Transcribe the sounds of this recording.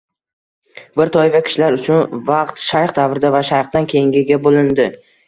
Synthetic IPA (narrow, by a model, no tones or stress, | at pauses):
bɪɾt̪ʰɒjvakʲʰɪ̥ʃlaɾʊt͡ʃʰʊnvɑqt̪ʃajχd̪avɾɪd̪avaʃajχd̪ankʲʰejɪŋɡʲɪɡʲabolɪnd̪ɪ